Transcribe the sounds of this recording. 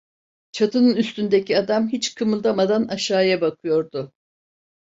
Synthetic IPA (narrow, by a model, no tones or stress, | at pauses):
t͡ʃʰat̪ʰɯnɯnyst̪ynd̪ecʰiad̪amɦit͡ʃkʰɯmɯlˠd̪amad̪anaʃaːjabakʰɯjo̞ɾd̪ʊ